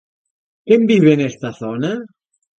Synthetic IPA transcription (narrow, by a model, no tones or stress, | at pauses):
kembiβenest̪aθona